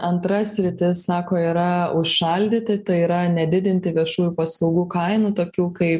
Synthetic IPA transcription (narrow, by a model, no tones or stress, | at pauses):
ɐnt̪ɾɐsʲɾʲɪt̪ʲɪsːɑːkoːiːɾɐʊʃʃɐlʲd̪ʲiːt̪ʲɪt̪ɐɪiːɾɐnʲɛd̪ʲɪd̪ʲɪnʲt̪ʲɪʋʲiɛʃuːjupɐslˠɐʊɡuːkɐɪnuːt̪oːkʲuːkɐɪp